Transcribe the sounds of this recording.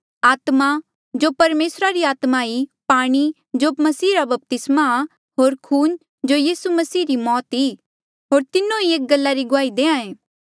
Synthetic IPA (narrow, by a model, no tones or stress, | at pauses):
aːt̪ma | d͡ʒoːpɐɾmeːsɾaɾiaːt̪maipaːɽ̃i | d͡ʒomɐsiːɾabɐp̚t̪ɪsma | ɦoːɾkʰuːn | d͡ʒojiːsumɐsiːɾimɔːt̪iː | ɦoːɾt̪ɪnõieːk̚ɡɐlːaɾiɡʊaːid̪eːãẽː